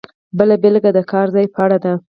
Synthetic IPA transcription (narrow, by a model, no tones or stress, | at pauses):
bəlabɪlɡad̪əkʰɑɾzɑjpəaɽad̪a